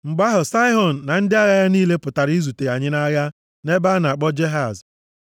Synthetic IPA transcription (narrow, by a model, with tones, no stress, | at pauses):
ŋ͡m̩˨ɡ͡ba˦ɦʊ˨sa˦ɪ˦ɦɔ˨n̩˨na˨n̩˦dɪ˦a˦ɣa˨ja˦niː˦le˦pʊ˨ta˨ɾi˦zu˨te˨a˨ɲɪ˦na˦ɣa˦ | ne˦ba˦n˨a˨k͡pɔ˦d͡ʒe˦ɦa˨z